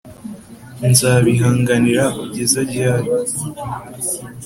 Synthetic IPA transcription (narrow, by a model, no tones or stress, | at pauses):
nzaːβiɦaːŋɡaniɾauɟezaɟaːɾi